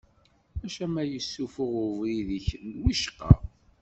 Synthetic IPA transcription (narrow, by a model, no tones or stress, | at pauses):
æʃæmæjəsːufʊʁʊvɾiðiçənwiʃqɑ̰